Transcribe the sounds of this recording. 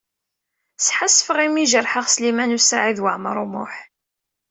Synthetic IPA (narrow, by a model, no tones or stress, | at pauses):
sħasːfəʁimiʒərˤħəʁslimænusaʕiðwəʕməɾˤumʊ̰ħ